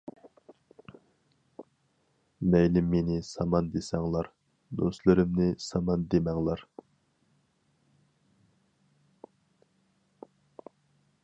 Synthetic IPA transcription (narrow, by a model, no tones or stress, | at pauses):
mɛjlɪmːenɪsɑmɑnd̪esɛŋlˠɑɾ | d̪ost̪lˠɨɾɨmnɪsɑmɑnd̪emɛŋlˠɑɾ